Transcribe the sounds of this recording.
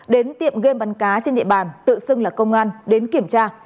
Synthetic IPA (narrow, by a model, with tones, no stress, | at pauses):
ɗe˨˦nt̪ḭ˧˨əmɣe˧mɓa˨˦nkaː˨˦t͡ɕe˧nɗḭ˧˨ɓaː˨˩nt̪ɨ̰˧˨sɨ˧ŋlaː˨˩kə˧wŋ͡mʔaː˧nɗe˨˦nki˧˩əmt͡ɕaː˧